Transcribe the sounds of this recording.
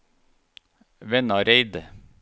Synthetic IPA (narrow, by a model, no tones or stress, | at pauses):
ʋɛnɑɾeɪd̪ə